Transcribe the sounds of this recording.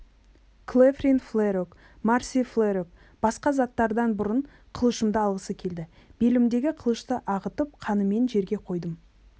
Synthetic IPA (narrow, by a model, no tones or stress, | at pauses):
kʰlˠefrinflˠeɾok | maɾsiflˠeɾok̚ | b̥ɑsqɑzɑt̪ːɑɾd̪ɑnbʊɾəɴ | qʰəlˠəʃəmd̪əɑlˠʁəsəkʲʰe̞ld̪ɪ | b̥elɪmd̪e̞ɡʲɪqʰəlˠəʃt̪əʔɑʁət̪əp̚qʰɑnəme̞nʒe̞ɾɡʲe̞qʰo̞jd̪əm